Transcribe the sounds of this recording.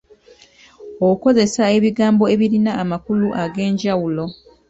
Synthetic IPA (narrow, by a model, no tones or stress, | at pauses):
ouko̞ze̞sae̞βiɡaːmbo̞e̞βiɾinaːmakuluʔaɡe̞ːɲɟawulo̞